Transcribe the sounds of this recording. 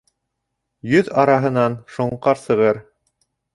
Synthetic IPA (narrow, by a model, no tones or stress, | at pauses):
jɵðɑɾɑɦɤ̆nɑnʃŏɴqɑɾsɤ̆ʁɤɾ